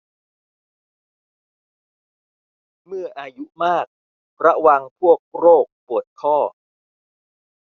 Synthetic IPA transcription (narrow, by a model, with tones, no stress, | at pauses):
mɯ˥˩ɐʔaː˧ju˦˥maː˥˩k̚ | pʰɾa˦˥wa˧ŋpʰu˥˩ək̚ɾoː˥˩k̚pu˨˩ət̪̚kʰɔː˥˩